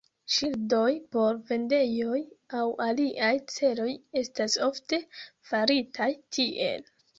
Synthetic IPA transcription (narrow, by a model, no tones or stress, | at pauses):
ʃildo̞jpo̞ɾve̞nde̞jo̞jawʔaliʔajt͡se̞lo̞je̞staso̞fte̞faɾitʰajtʰiʔe̞̰l